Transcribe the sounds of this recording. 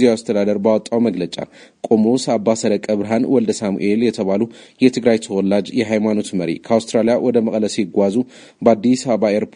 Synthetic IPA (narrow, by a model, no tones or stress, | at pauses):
ziast̪ʰəd̪ad̪əɾbawɔt̪ʼːawməɡlət͡ʃʼa̰kʼomosabːasəɾəkʼːəβɾɦanwɔld̪əsamṵʔe̞ljɛt̪ʰəβalujɛt̪ʰɨɡɾajt̪ʰəwɔlːad͡ʒjɛɦajmano̞t̪məɾḭkʰəawst̪ɾalijawʔɔd̪əməkʼləsɡʷazu | bəad̪ːisaβəβaeɾpʰ